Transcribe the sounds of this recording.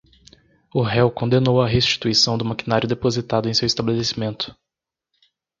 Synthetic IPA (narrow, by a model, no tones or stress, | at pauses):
ʊɦɛwkõnd̪enowɐɦest͡ʃi̥t̪uisɐ̃w̃d̪ʊmakinaɾjʊd̪epozit̪ad̪ʊẽj̃sewist̪abelesimẽnt̪ʊ̥